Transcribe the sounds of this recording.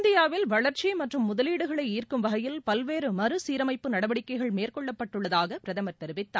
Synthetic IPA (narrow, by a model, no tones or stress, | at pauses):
nd̪ɪjaːʋɪlʋɐɭɐɾt͡ʃimɐʈrɯmːʊðɐliːɽɯɣɐɭɐɪiːrkɯmʋɐɣɐjɪlpɐlʋeːɾɯmɐɾɯsiːɾɐmɐɪpːɯnɐɽɐʋɐɽɪkːɐɪɣɐɭmeːrkɔɭːɐpːɐʈːɯɭːɐðaːɣɐpɪɾɐðɐmɐɾt̪ɛɾɯʋɪt̪ːa̰ː